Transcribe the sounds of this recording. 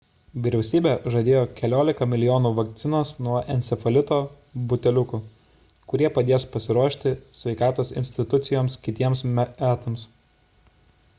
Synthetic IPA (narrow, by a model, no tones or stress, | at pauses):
ʋʲɪɾʲɛʊsʲiːbʲɛʒɐd̪ʲeːjoːkʲɛlʲoːlʲɪkɐmʲɪlʲɪjoːnuːʋɐk̚t̪sʲɪnɐːsnuɔʔɛnʲsʲɛfɐlʲɪt̪oː | bʊt̪ʲɛlʲʊkʊ | kʊɾʲiɛpɐd̪ʲeːspɐsʲɪɾuɔʃʲt̪ʲɪsʲʋʲɛɪkɑːt̪oːsɪ̰nʲsʲt̪ʲɪt̪ʊt̪sʲɪjoːmskʲɪt̪ʲiɛmsmʲææːt̪ɐms